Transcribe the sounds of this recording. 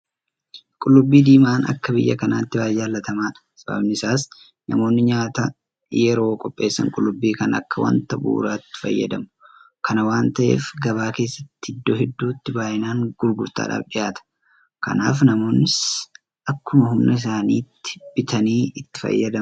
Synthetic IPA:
kʼʊlːʊbːiːd̪iːmaːnɐ̰kːɐbɪjːɐkɐna̰ːt̪ːɪwaːjaːlːɐt̪ɐmaːᶑɐ̥sɐbɐ̰bnɪsaːs | nɐmo̞ːnːɪɲaːt̪ɐ | jɛɾo̞ːkʼɔpʼːe̞ːsːɐ̰ŋkʼʊlːʊbːiːkɐnɐ̰kːɐwɐ̰nt̪ɐbṵːɾat̪ːɪ̥fɐ̰jːɐ̰d̪ɐmʊkʰɐnɐwaːnt̪ɐʔḛːfɡɐβaːke̞ːsːɐt̪ːhɪd̪ːoːhɛd̪ːuːt̪ːɪbaːʔɪnaːŋɡʊɾɡʊɾt̪a̰ːᶑa̰ːfᶑɪjaːt̪ɐ̥ | kɐ̰na̰ːfnɐmo̞ːnːɪs | ʔɐkːʊmɐɦʊmnɐs̬aːniːt̪ːɪ̥b̥ɪt̪ʰɐniːɪt̪ːɪ̥fɐ̰jːɐd̪ɐ

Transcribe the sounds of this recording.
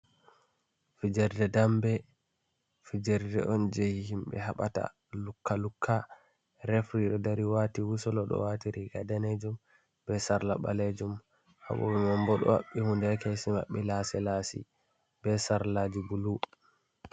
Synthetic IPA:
fid͡ʒɛɾdɛdambɛ | fid͡ʒɛɾdɛʔɔnd͡ʒehihimɓɛ̰ɦaɓata̰ | lukːalukʰːa | ɾɛfɾiɗɔdaɾiwatiwusɔlɔɗɔ̰watiɾiɡadaned͡ʒum | bɛsaɾlaɓa̰led͡ʒum | ha̰ɓɔ̰bɛmambɔɗɔ̰wa̰ɓːihundɛkɛsima̰ɓːɛlasɛlasḭ | bɛsaɾlad͡ʒibulu

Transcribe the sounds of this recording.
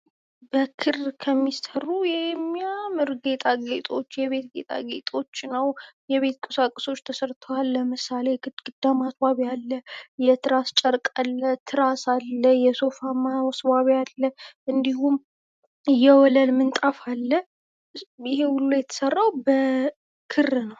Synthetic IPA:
bəkʰːɨɾkʰəmːissərujɛmːjamɨɾɡe̞t̪ʼaɡet̪ʼo̞t͡ʃːjɛβe̞t̪̚ɡe̞̰t̪ʼa̰ɡet̪ʼo̞t͡ʃːnəwjɛβe̞t̪kʼəsakʼəso̞t͡ʃːt̪ʰəsəɾt̪ʰəwalːəmɨsale̞jɡɨd̪ɡ̥ɨd̪ːamasbaβjalːəjɛt̪ʰɨɾast͡ʃʼəɾkʼalːət̪ʰɨɾasalːəjɛso̞famawɔsbaβalːəʔɨnd̪iɦum | ɨjɛwɔləlmɨnt̪ʼafalːə | ɪhe̞wʊlːojɛt̪ʰə̥sərːawbə | kʰɨrːnəw

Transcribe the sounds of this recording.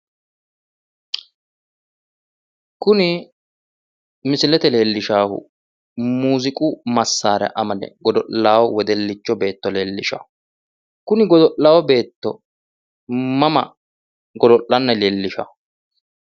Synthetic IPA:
kʊnɪ | mɪsɪlɛt̪ɛle̞ːlːɪʃaːhʊ̰ | muːzɪkʼʊmɐsːaːɾɛ̰ʔɐmɐnɛ̰ɡɔd̪ɔʔaːwɔwɛd̪ɛlːɪt͡ʃːɔbe̞ːt̪ːɔle̞ːlːɪʃa̰ːhʊ | kʊnɪɡɔd̪ɔʔːaːwɔbe̞ːt̪ːɔ | mɐmɐ̰ | ɡɔd̪ɔʔlɐnːɐle̞ːlːɪʃa̰ːhʊ

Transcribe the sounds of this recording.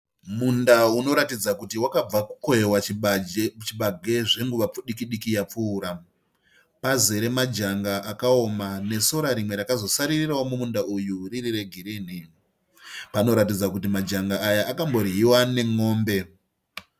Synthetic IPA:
mundauno̞ɾatid͡zakutiwakab͡vaku̥kojewa | t͡ʃiɓaɡʱe̞ʐe̞ŋɡuʋap͡fuɗikiɗikijap͡fuːɾa | paze̞ɾe̞mad͡ʒaŋɡaʔakao̞mane̞so̞ɾaɾimwe̞ɾakazo̞saɾiriraomumundaʔujuririre̞ɡʱiɾiːn̤i | pano̞ɾatid͡zakutimad͡ʒaŋɡaːjaʔakambo̞ɾiɦiwane̞ŋo̞ːmbe̞

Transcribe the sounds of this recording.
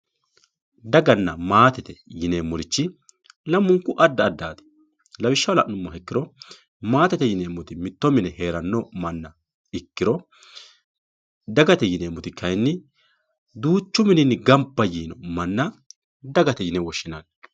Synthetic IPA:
d̪ɐɡɐnːɐmaːt̪ɛt̪ɛjɪneːmːɔɾɪt͡ʃːɪ | lɐmːʊŋkʊʔɐd̪ːɐːd̪ːaːt̪ɪ̥ | lɐwɪʃːɐwlɐʔnʊmːɐhɛkːɪɾɔ | maːt̪ɛt̪ɛjɪneːmːʊt̪ɪmɪt̪ːɔmɪnɛhe̞ːɾɐnːɔmɐnːɐ | ɪkːɪɾɔ | d̪ɐɡɐt̪ɛjɪneːmːʊt̪ɪkɐjnːɪ | d̪uːt͡ʃːʊmɪnɪnːɪɡɐmpːɐjiːnɔ̰mɐnːɐ | d̪ɐɡɐt̪ɛjɪnɛwɔʃːɪnaːn

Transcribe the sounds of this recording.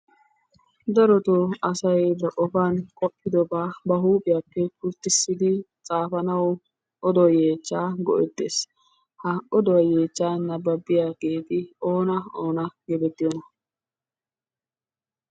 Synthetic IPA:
d̪ɐɾɔt̪oɐsɐjd̪ɐʔʼɔfankʼɔpʼːɪd̪ɔbaːbɐɦuːpʼɪjaːpːɛkʊɾt̪ːɪsːɪd̪ɪ | t͡sʼaːfɐnɐwɔ | ʔɔd̪ɔwje̞ːt͡ʃːaːɡɔʔɛd̪ːeːs | hɐɔd̪ɔwɐje̞ːt͡ʃːaːnɐbːɐbːɪjaɡeːt̪ɪo̞ːnɐoːnɐɡɛbɛt̪ːɪjɔnɐ

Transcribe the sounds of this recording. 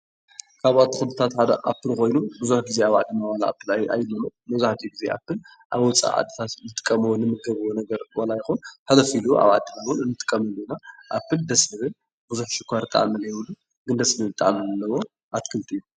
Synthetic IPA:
kʰaβat̪ʰːixɨɨt̪ʰat̪ħad̪ɐ̰ʔa̰pːɨlko̞jnubɨzuħɡize̞aβaʕd̪imawalaʔa̰pːɨla̰jlːɐmɐt̪mɐzuħt̪ʰijɡize̞ʔa̰pːɨl | ʔaβwt͡sʼa̰ʕa̰d̪ɨt̪ʰat̪nɨt̪ʼɨ̥kʼːɐmɐwonɨmɨɡɐβɨwonɐɡɐɾwalajɪxunhalɐfilua̰βaʕd̪ɨnawʊnɨnːɨt̪ʼɨ̥kʼːɐmɐlːunaʔapːɨld̪ɐsnɨβɨl | bɨzuħʃɨkʷʰːaɾt̪ʼɐa̰ʕmɐljɛβɨlːu | ɡɨnd̪ɐslɨɨt̪ʼːa̰ʕmɐllːɐwo̞ | ʔat̪kʰɨlt̪ʰijːu

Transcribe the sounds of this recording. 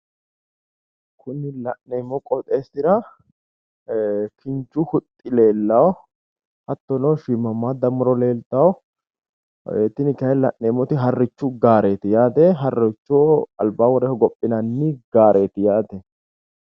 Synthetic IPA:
kʰʊnːɪlɐʔːeːmːɔkʼɔt̪ʼeːsɪɾɐ | kʰɪnt͡ʃːʊhʊt̪ʼːɪle̞ːlːɐw | hɐt̪ːɔnɔʃɪmːɐmːad̪ɐmʊɾɔle̞ːlt̪ːɐw | eːt̪ːɪnɪkɐjlɐ̰ʔːeːmɔt̪ɪɦɐrːɪt͡ʃːʊɡaːɾe̞ːt̪ɪjaːt̪ɛɦɐrːɔt͡ʃːɔɐ̰lbaːwɔɾɛhɔɡɔpʼːɪnɐnːɪɡaːɾʔe̞ːt̪ɪjaːt̪ɛ

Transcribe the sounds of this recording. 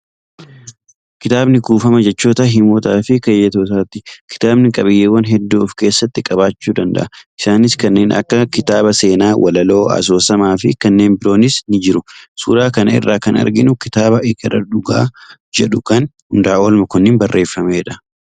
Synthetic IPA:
kɪt̪aːbnɪɡuːfɐmɐd͡ʒɛt͡ʃːoːt̪ɐɦɪmoːt̪aːfɪkɐjːɛt̪oːt̪aːt̪ːɪkɪ̥t̪aːbnɪkʼɐbɪjːeːwɐnɦɛd̪ːoːfke̞ːsːɐt̪ːɪkʼɐbaːt͡ʃːuːd̪ɐnd̪ɐ̰ʔɐʔɪsaːnɪskɐnːe̞ːnʔɐ̰kːɐkɪt̪aːbɐse̞ːnaːwʔɐ̰lɐlo̞ːɐ̰s̬o̞ːsɐmaːfɪkɐnːe̞ːnbɪɾo̞ːnɪsnɪd͡ʒɪɾʊsṵːɾaːkɐnɐɪ̰rːaːkɐnɐ̰ɾɡɪnʊkɪt̪aːbɐʔɪɡɐrɐᶑʊɡa̰ːd͡ʒɛᶑʊkɐnhʊnd̪aːʔoːlmɐkʊnːɪnbɐrːʔe̞ːfːɐmeɛᶑɐ̥

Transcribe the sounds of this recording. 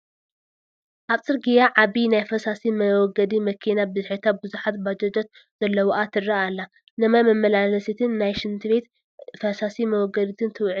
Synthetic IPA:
ʔaβt͡sʼɨɾɡijaʕaβinajfɐsasimɐwɔɡɐd̪imɐkʰinabɨzħɨt̪ʰat̪̚bɨzuħat̪bad͡ʒɐd͡ʒɐt̪ | z̥ɐlːɐwɔʔat̪ʰɨɾaalːa | nɨmajmɐmɐlalɐsit̪ʰɨnːajʃɨnt̪ʰɨβe̞t̪ | fɐsasimɐwɔɡɐd̪it̪ʰɨnt̪ʰɨwʕ

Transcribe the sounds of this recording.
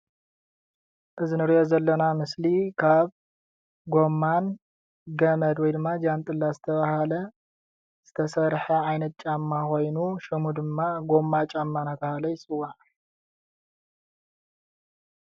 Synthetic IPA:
ʔɨzinɨɾiʔo̞zɐlːɐnamɨslikʰaβ | ɡo̞mːan | ɡɐmɐd̪wɔjd̪ɨmːad͡ʒant̪ʼɨlːazɨt̪ʰɐβahalɐ | z̥ɨt̪ʰɐsɐɾħɐajnɐt̪̚t͡ʃʼamːaxo̞jnuʃɨmud̪ɨmːaɡo̞mːat͡ʃʼamːanat̪ʰahalɐjɪsʼɨwːaʕ

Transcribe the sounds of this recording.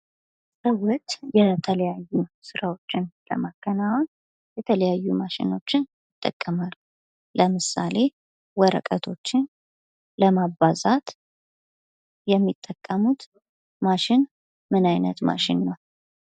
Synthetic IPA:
səwɔt̪ʼjɛt̪ʰələjajːusɨɾawo̞t͡ʃːɪnlə̰makːənawɔn | jɛt̪ʰələjajːumaʃɪ̰no̞t͡ʃːɪnjɪt̪ʼːəkʼːəmalu | ləmɨsa̰le̞ | wɔɾə̰kʼət̪ʰo̞t͡ʃːɪn | ləmabazat̪ | jɛmːit̪ʼːəkʼːəmut̪ | maʃɪn | mɨnajnət̪ma̰ʃɪnːəw

